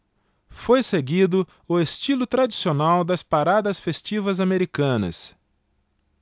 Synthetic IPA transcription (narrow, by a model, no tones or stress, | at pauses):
fojseɡid̪ʊ | ʊest͡ʃilʊt̪ɾad͡ʒisionawd̪ɐspaɾad̪ɐsfest͡ʃivɐzameɾikɐ̃nɐ̰s